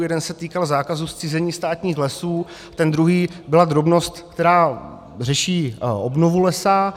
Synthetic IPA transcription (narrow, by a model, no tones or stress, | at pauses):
jɛdɛnsɛt̪iːkalzaːkazust͡sizɛɲiːst̪aːt̪ɲiːxlɛsuː | t̪ɛnd̪ɾuɦiːbɪlad̪ɾo̞bno̞st̪k̚t̪ɛɾaː | r̝ɛʃiːʔobnovulɛsa